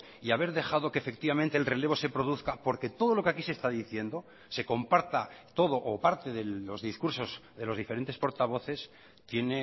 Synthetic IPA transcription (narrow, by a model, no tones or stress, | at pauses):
iaβe̞ɾðe̞xað̞o̞keːfe̞kt̪iβament̪elre̞le̞β̞o̞se̞pɾo̞ðuθkapo̞ɾke̞t̪o̞ð̞o̞lo̞keakisest̪aðiθje̞nd̪o̞ | se̞ko̞mpaɾt̪at̪o̞ð̞o̞ʔopaɾt̪e̞ðe̞o̞zðiskuɾso̞zðe̞lo̞zðifeɾe̞nt̪e̞spo̞ɾt̪aβo̞θe̞s | t̪je̞ne̞